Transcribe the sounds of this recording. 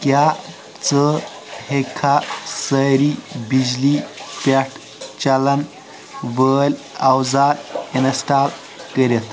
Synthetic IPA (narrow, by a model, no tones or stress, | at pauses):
kja | t͡sə | hekʰasəɾibid͡ʑlipʲeʈʰ | t͡ɕɐlɐn | ʋəːlʲ | ɐwzaːlinəsʈaːl | kəɾʲet̪